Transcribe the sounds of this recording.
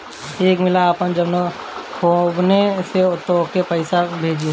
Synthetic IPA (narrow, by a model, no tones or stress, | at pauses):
eːkmɪlaːpəmd͡ʒɐbno | kʰoːbneset̪okepəɪsabʱeːd͡ʒẽ